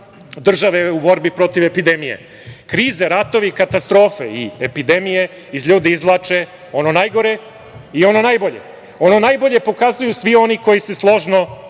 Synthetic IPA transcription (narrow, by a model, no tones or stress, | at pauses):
d̪r̩ʒaʋeubo̞ɾbipɾo̞t̪iʋe̞pid̪emijḛ | kɾiːzeɾat̪o̞ʋikat̪ast̪ɾo̞ːfḛḭepid̪e̞mije̞ | izʎuːd̪eizlˠaːt͡ʃe̞ | o̞nonajɡo̞ɾe̞ | io̞no̞najbo̞ʎḛ | o̞no̞najbo̞ʎe̞po̞kazujusʋio̞niko̞jiseslˠo̞ʒno̞